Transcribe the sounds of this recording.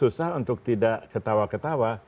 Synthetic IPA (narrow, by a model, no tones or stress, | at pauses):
usahunt̪ʊk̚t̪idaʔkət̪awakət̪awa